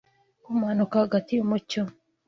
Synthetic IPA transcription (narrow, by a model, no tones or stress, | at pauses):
kumhanukahaɡatiumuco